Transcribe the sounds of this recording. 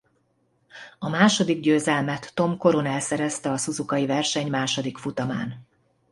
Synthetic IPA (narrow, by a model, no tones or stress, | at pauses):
ɒmaːʃo̞d̪iɡɟøːzɛlmɛt̪ːo̞mko̞ɾonɛlsɛɾɛst̪ɛɒsuzukɒjivɛrʃɛɲmaːʃo̞d̪ikfut̪ɒma̰ːn